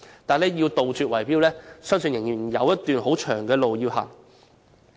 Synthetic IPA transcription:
t̪aː˨˩nlɛː˥jiː˧wt̪o˨wt͡syː˨t̚wɐ˨˩jpiː˥wlɛː˥sœː˥ŋsɵ˧njɪ˨˩ŋjiː˨˩njɐ˨˧wjɐ˥tt̪yː˨nɦo˨˥wt͡ʃʰœː˨˩ŋkɛː˧lo˨wjiː˧wha̰ː˨˩ŋ

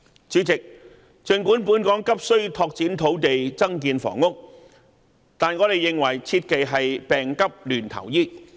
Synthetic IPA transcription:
t͡syː˨˥t͡sɪ˨k̚ | t͡sɵ˨˧nkuː˨˥npuː˨˥nkɔː˨˥ŋkɐ˥p̚sɵ˥ɥt̪ʰɔː˧k̚t͡siː˨˥nt̪ʰo˨˥wt̪e˨jt͡sɐ˥ŋk̬iː˧nfɔ̰ː˨˩ŋːʊ˥k̚ | t̪aː˨˩nŋɔː˨˧ɾe˨jːɪ˨ŋwɐ˨˩jt͡sʰiː˧t̚ke˨jɦɐ˨jpɛː˨ŋkɐ˥p̚lyː˨˩nt̪ʰɐ̰˨˩wjiː˥

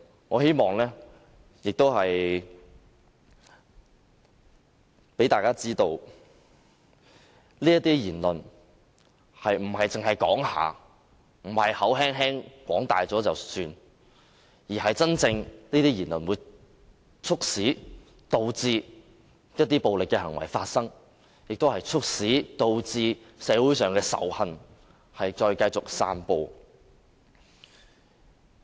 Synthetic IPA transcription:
ŋɔː˨˧he˥jmɔː˨˩ŋlɛː˥ | jɪ˨k̚t̪o˥whɐ˨j | pe˨˥jt̪aː˨jkaː˥t͡siː˥t̪o˧w | liː˥jɐ˥t̪iː˥jiː˨˩nlɵ˨n | hɐ˨jm̩˨˩hɐ˨jt͡sɪ˨ŋɦɐ˨jkɔ̰ː˨˥ŋha̰ː˨˧ | m̩˨˩hɐ˨jhɐ˨˥wɦɛː˥ŋɦɛː˥ŋkwɔ̰ː˨˥ŋt̪a̰ː˨jt͡sɔː˨˥t͡sɐ˨wsyː˧n | jiː˨˩ɦɐ˨jt͡sɐ˥nt͡sɪ˧ŋniː˥t̪iː˥jiː˨˩nlɵ˨˩nwuː˨˧j | t͡sʰʊ˥k̚siː˨˥ | t̪o˧wt͡siː˧ | jɐ˥t̚t̪iː˥po˨˧wlɪ˨kːɛː˧hɐ˨˩ŋwɐ̰˨˩jfaː˧t̚sɐ˥ŋ | jɪ˨k̚t̪o˥hɐ˨jt͡sʰʊ˥k̚siː˨˥t̪o˧wt͡siː˧ | sɛː˨˧˥wuː˨˥jsœː˨ŋkɛː˧sɐ̰˨˥whɐ˧n | hɐ˨jt͡ʃɔː˧jkɐ˧jt͡sʊ˨k̚sa̰ː˧npo˧w

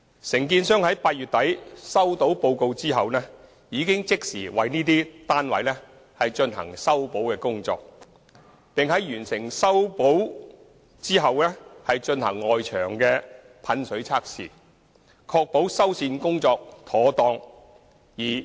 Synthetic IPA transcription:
sɪ˨˩ŋkiː˧nsœː˥ŋhɐ˨˥jpaː˧t̚yː˨t̚t̪ɐ˨˥jsɐ˥wt̪o˨˥wpo˧wko˧wt͡siː˥ɦɐ˨wnɛː˥ | jiː˨˧kɪ˥ŋt͡sɪ˥k̚siː˨˩wɐ˨˧jniː˥t̪̬iː˥t̪aː˥nwɐ̰˨˧jnɛ˥ | hɐ˨jt͡ʃɵ˧nɦɐ̰˨˩ŋsɐ˥wpo˨˥wkɛː˧kʊ˥ŋt͡sɔ̰ː˧k̚ | pɪ˨ŋɦɐ˨˧˥jɥyː˨˩nsɪ˨˩ŋsɐ˥wpo˨˥w | t͡siː˥ɦɐ˨wlɛː˥hɐ˨jt͡ʃɵ˧nhɐ̰˨˩ŋːɔː˨jt͡ʃʰœː˨˩ŋkɛː˧ | pʰɐ˨˥nsɵ˨˥ɥt͡sʰaː˥k̚sḭː˨ | kʰɔː˧k̚po˨˥wsɐ˥wsiː˧nkʊ˥ŋt͡sɔː˧k̚t̪ʰɔː˨˥t̪ɔː˧ŋ | jiː˨˩

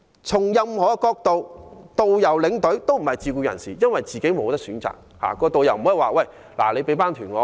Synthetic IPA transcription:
t͡sʰʊ˨˩ŋjɐ˧mhɔː˨˥˧kɔː˧k̚t̪o˨wt̪o˨wjɐ˨˩wlɪ˨˧ŋt̪ɵ˨˥ɥt̪o˥wm̩˨˩hɐ˨jt͡siː˧kuː˧jɐ̰˨˩nsḭː˨˩jɐ˥nwɐ˨jt͡siː˨ke˨˥jmo˨˧wt̪ɐ˥ksyː˨˥nt͡sa̰ː˨˩k̚ | ha̰ː˨˩kɔː˧t̪o˨wjɐ˨˩wm̩˨˩hɔ˨˥i˨waː˨wɐ˥˨j | la̰ː˨˩le˨˧jpe˨˥jpaː˥nt̪ʰyː˨˩nŋɔː˨˧

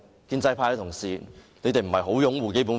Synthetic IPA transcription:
kiː˧nt͡sɐ˧jpʰaː˧jhɐ˧˥t̪ʰʊ˨˩ŋsiː˨ne˨˧jt̪e˨jm̩˨˩hɐ˨˩jɦo˨˥wjʊ˨˥ŋwuː˨ke˥jp̬u˨˥n

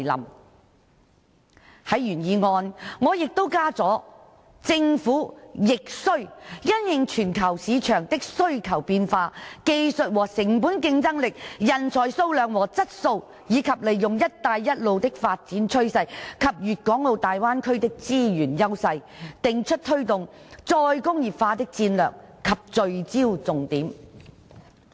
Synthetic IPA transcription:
lɐ̰˨˩m | hɐ˨˥jjyː˨˩njiː˨˧ŋɔː˧nŋɔː˨˧jɪ˨k̚t̪o˥wkaː˥t͡sɔː˨˥ | t͡sɪ˧ŋfuː˨˥jɪ˨k̚sɵ˥ɥjɐ˥njɪ˨ŋt͡ʃʰyː˨˩nkʰɐ˨˩wsiː˨˧t͡ʃʰœː˨˩ŋt̪ɪ˥k̚sɵ˥ɥkʰɐ˨˩wpiː˧nfaː˧ke˧jsɵ˨t̚wɔː˨˩sɪ˨˩ŋpuː˨˥nkɪ˧ŋt͡sɐ˥ŋlɪ˨k̚jɐ˨nt͡sʰɔː˨˩jso˧wlœː˨˩ŋwɔː˨˩t͡sɐ˥t̚so˧w | jiː˨˧kʰɐ˨p̚le˨˩jːʊ˨ŋjɐ˥t̚t̪aː˧jːɐ˥t̚lo˨˧wt̪ɪ˥k̚faː˧t̚t͡siː˨˥nt͡ʃʰɵ˥ɥsɐ˧jkʰɐ˨p̚jyː˨t̚kɔː˨˥ŋlo˨˧wt̪aː˨jwaː˥nkʰɵ˥ɥt̪ɪ˥k̚t͡siː˥jyː˨˩njɐ˥wsɐ˧j | t̪ɪ˨ŋt͡ʃʰɵ˥t̚t̪ʰɵ˥ɥt̪ʊ˨ŋt͡sɔː˧jkʊ˥ŋjiː˨pfaː˧t̪ɪ˥k̚t͡siː˧nlœː˨k̚kʰɐ˨p̚t͡sɵ˨ɥt͡siː˥wt͡sʊ˨ŋt̪iː˨˥m

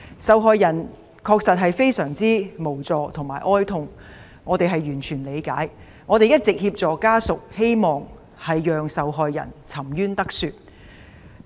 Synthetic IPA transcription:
sɐ˨wɦɔː˧jːɐ˨˩n | kʰɔː˧k̚sɐ˨t̚ɦɐ˨jfe˥jsœː˨˩ŋt͡siː˥mo˨˩wt͡sɔː˨˧t̪ʰʊ˨˩ŋmaː˨˩jʔɔː˥jt̪ʰʊ˧ŋ | ŋɔː˨˧t̪e˨jɦɐ˨jɥyː˨˩nt͡ʃʰyː˨˩nle˨˧jkaː˨˥j | ŋɔː˨˧t̪e˨˧jɐ˥t̚t͡sɪ˨k̚hiː˧p̚t͡sɔː˨kaː˥sʊ˨k̚he˥jmɔː˨ŋ | hɐ˨jːœː˨˧ŋsɐ˨wɦɔː˨jːɐ̰˨˩nt͡sʰɐ˨˩mjyː˥nt̪ɐ˥k̚syː˧t̚

